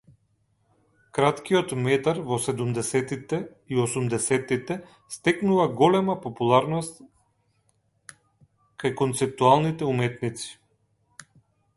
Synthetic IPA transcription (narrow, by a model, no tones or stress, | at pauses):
kɾat̪kijɔt̪mɛt̪aɾvɔsɛd̪umd̪ɛsɛt̪it̪ɛ | iosumd̪ɛsɛt̪it̪ɛ | st̪ɛknuvaɡɔlɛmapɔpulˠaɾnɔst̪ | kajkɔnt̪sɛp̚t̪ualˠnit̪ɛumɛt̪nit̪si̥